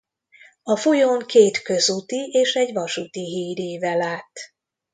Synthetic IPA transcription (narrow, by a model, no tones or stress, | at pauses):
ɒfojoːŋkeːt̪kø̞zut̪ieːʃɛɟvɒʃut̪iɦiːɾeːvɛlaːt̪ː